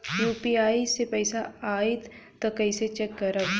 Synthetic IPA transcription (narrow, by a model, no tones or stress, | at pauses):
juːpiaːisepɐɪsaaːit̪ | t̪okɐɪset͡ʃɛkːɐɾəb